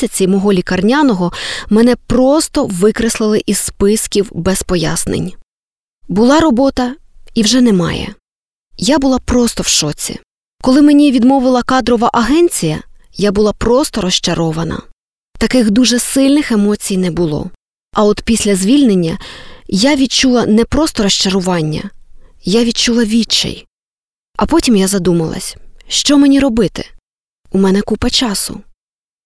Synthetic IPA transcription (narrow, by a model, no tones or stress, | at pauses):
ɐt͡sʲimɔɦɔlʲikɐrnʲanɔɦɔmɛnɛpɾɔst̪ɔʋɪkɾeslˠɪlˠɪʔizspɪskʲiwbɛspɔja̰snḛnʲ | bʊlˠɑɾɔbɔt̪ɐ | iwʒɛnɛmɑ̰jɛ̰ | jabʊlˠɑpɾɔst̪ɔwʃɔt͡sʲḭ | kɔlˠɪmenʲiʋʲid̪mɔʋɪlˠɐkɑd̪ɾɔʋɐʔɐɦɛnʲt͡sʲijɐ̰ | jabʊlˠɑpɾɔst̪ɔɾɔʃt͡ʃɐɾɔʋɐnɐ̰ | t̪ɐkɪxd̪uʒɛsɪlʲnɪxe̞mɔt͡sʲijnɛbʊlˠɔ̰ | ɐɔt̪pʲisʲlʲɐzʲʋʲilʲnenʲːɐjaʋʲid̪̚t͡ʃulˠɐnɛpɾɔst̪ɔɾɔʃt͡ʃɐɾʊʋɑnʲːɐ̰jaʋʲid̪t͡ʃulˠɐʋʲit͡ʃːɛ̰j | ɐpɔtʲimjazɐd̪umɐlˠɐ̰sʲʃt͡ʃɔmenʲiɾɔbɪt̪ɪ̰ | umɛnɛkupɐt͡ʃɑsʊ̰